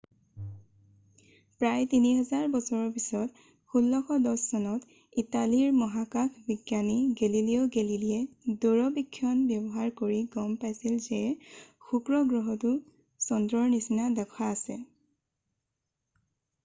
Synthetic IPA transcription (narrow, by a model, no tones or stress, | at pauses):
pɹajtiniɦɛzaɹbɔsɔɹɔɹpisɔt | xulːɔxʰɔdɔsːɔnɔt | italiɹmɔɦakakʰbiɡjaniɡeliliɔɡeliliɛdoɹɔbikʰːjɔnbjɔbɔɦaɹkoɹiɡɔmpajsilzɛxukɹɔɡɹɔɦɔtu | sɔndɹɔɹnisinadɛkʰaːsɛ